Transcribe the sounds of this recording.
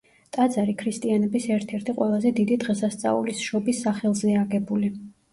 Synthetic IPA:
t̪ʼad̪zaɾikʰɾist̪ʼianɛbisɛɾt̪ʰɛɾt̪ʰiqʼwɛlˠazɛd̪id̪id̪ʁɛsast̪sʼa̰ṵlisʃɔbisːaχɛlˠzɛaɡɛbuli

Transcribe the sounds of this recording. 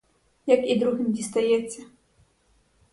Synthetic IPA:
jɐkid̪ɾuɣʲimdʲist̪ajɛt̪sʲːɐ

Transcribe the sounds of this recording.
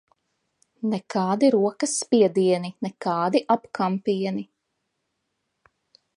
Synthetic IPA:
nɛkɑːd̪iɾuɔkɐsːpʲiɛd̪iɛninɛkɑːd̪iʔapkampiɛni

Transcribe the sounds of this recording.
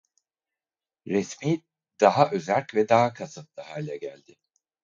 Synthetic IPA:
ɾɛsmiː | d̪̥aɦaʔø̞zælʲcvɛd̪aɦakʰasɯp̪̚lˠɯɦaːlʲɛɟælʲd̪ɪ

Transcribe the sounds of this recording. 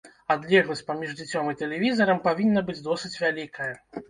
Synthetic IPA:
ad̪lʲɛɣlˠɐsʲpamʲiʐd͡zʲɨt͡sʲɔmɨt̪ɛlʲɛvʲizɐɾɐmpavʲinːɐbɨd͡zʲd̪ɔsɨt͡sʲvʲalʲikʰɐjɐ

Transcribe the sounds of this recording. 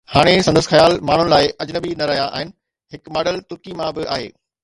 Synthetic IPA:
haːɽ̃esɐ̃nd̪əsɪxɐjaːlmaːɳ̤ʊnɪ̆laːɪʔɐd͡ʑnəbinɐɾɐɦjaʔa̰ːɦɪnɪ̆ | ɦɪkmaːɖəlt̪ʊɾkimãbɪʔa̰ːɦḛː

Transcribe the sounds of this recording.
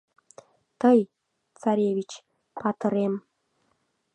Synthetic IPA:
t̪ɤj | t͡sɑɾʲeβʲit͡ɕ | pɑt̪ɤ̆ɾem

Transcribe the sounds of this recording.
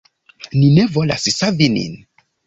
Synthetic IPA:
nine̞vo̞la̰ssavinḭn

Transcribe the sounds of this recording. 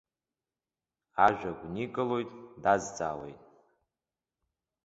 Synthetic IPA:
aʒᶣaɡʷnikʼɨlo̞jtʼdazt͡sʼa̰ːwḛjtʼ

